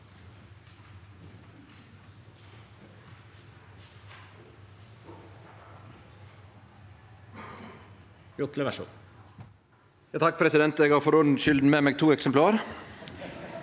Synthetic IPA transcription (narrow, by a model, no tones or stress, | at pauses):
jʊt̪ləʋæʃṵ | jɑːt̪ʰɑk̚ːpʰɾɛsɪd̪ɛnt̪eːɡɑɾfɔɾʊnʃʏld̪n̩meːmeːɡ̚t̪ʰuːɛksɛmplɑːɾ